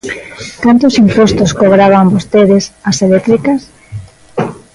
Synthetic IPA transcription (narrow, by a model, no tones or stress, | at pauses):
kant̪ʊsimpost̪oskoβɾaβ̞ambost̪eðesaselet̪ɾikas